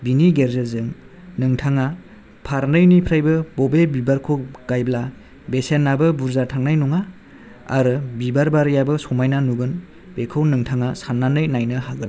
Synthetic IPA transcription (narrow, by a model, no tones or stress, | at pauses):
biniɡeɾzɯzɯŋ | nɯŋtʰaŋa | pʰaɾnɯjnipʰɾajbɯbɔbebibaɾkʰoɡ̥ajbla | besenːabɯbuɾzatʰaŋnajnuŋa | a̰ɾɯbibaɾbaɾjabɯsɔmajnanuɡɯn | b̥ekʰɯwnɯŋtʰaŋasanːanɯjnajnɯhaɡɯn